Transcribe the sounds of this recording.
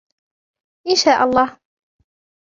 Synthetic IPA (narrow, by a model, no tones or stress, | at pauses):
ʔɪnʃaːʔɑlˤːɑːh